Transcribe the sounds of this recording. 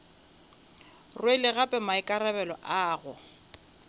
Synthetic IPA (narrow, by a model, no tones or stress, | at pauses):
rwelɪɣapʼɛmaɪkʼaɾabɛlɔ̰ʔaːɣʊ